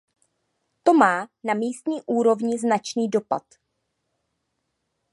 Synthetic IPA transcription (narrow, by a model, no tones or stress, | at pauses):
t̪o̞maːnamiːst̪ɲiːʔuːɾo̞vɲɪznat͡ʃniːdo̞pa̰t̪